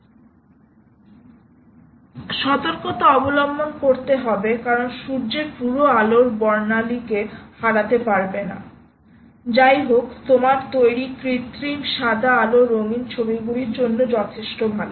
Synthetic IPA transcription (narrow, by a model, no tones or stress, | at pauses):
ʃɔt̪oɾkot̪aɔbolɔmbonkoɾt̪eɦɔbekaɾonʃuɾd͡ʑepuɾoaloɾbɔɾnalikehaɾat̪epaɾbena̰ | d͡ʑajɦokt̪omaɾt̪ojɽikɾit̪ɾimʃad̪ʱaaloɾoŋint͡ɕʰobiɡuliɾd͡ʑonːod͡ʑɔt̪ʰeʃʈobʱalo